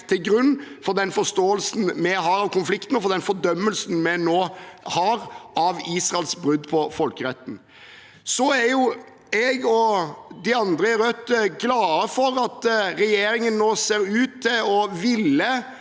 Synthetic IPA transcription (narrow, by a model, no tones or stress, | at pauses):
t̪ʰɪlɡɾʉnːfɔɾd̪ɛnfɔst̪oːəlsn̩mɛɦɑːɾɑʋkʰʊnflɪkt̪n̩ɔfɔɾd̪ɛnfɔd̪œmːəlsn̩mɛnoːhɑːɾʔɑʋiːsʁɑɛlsbɾʉd̪ːpʰɔfɔlkəɾɛt̪ːn̩ | sɔæɾjʊ | ɛɡɔd̪ɪɑnd̪ɾəɛɾœt̪ːɡlɑːəfɔɾɑt̪ɾɛjeːɾɪŋənːoːseːɾʉːt̪ʰːɪlɔʋɪlːə